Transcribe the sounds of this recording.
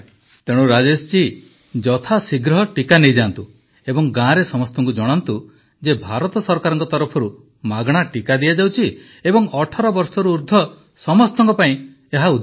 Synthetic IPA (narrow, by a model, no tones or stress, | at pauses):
t̪eɽ̃uɾad͡ʒest͡ʃi | d͡ʒɔt̪ʰasiɡɾɔɦɔʈikanejd͡ʒant̪u | ebɔŋɡãɾesɔmɔst̪ɔŋkud͡ʒɔɽ̃ɔnt̪u | d͡ʒebʱaɾɔt̪ɔsɔɾkaɾɔŋkɔt̪ɔɾɔpʰɔɾu | maɡɽ̃aʈikad̪ijad͡ʒawt͡ʃʰi | ebɔŋɔʈʰɔɾɔbɔɾsɔɾuːɾd̪ʱɔ | sɔmɔst̪ɔŋkɔpaĩ | eɦaud̪